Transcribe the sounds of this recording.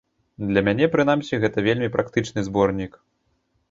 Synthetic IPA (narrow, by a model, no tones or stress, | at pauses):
d̪lʲɐmʲanʲɛpɾɨn̪amsʲiɣɛt̪ɐvʲelʲmʲipɾakt̪ɨt͡ʂnɨzbɔrnʲik